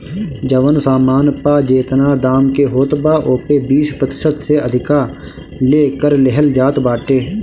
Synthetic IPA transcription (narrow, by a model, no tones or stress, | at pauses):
d͡ʒɐʋənsaːmaːnpaːd͡ʒeːt̪naːd̪aːmkeɦoːt̪baːʔoːpebiːʃpət̪ɪ̥ʃət̪seɐd̪ʱɪka | leːkəɾleɦəld͡ʒaːt̪baːʈeː